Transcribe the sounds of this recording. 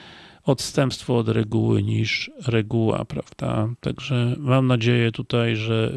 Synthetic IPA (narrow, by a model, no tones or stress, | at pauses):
ɔt̪st̪ɛmpst̪fɔɔd̪ɾɛɡuwɘ̰ɲiʂɾɛɡuwa̰pɾavd̪̥a̰t̪aɡʐɛmamnad͡ʑejɛt̪ut̪ajʐɛ